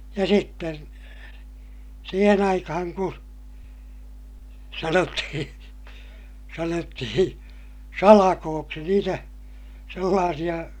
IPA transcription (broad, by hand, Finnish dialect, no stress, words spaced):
jɑ sitːen siːhen ɑikɑhɑŋ ku sɑnotːihĩː sɑnotːihĩː sɑlɑkoːksi niːtæ selːɑːsij̆ɑ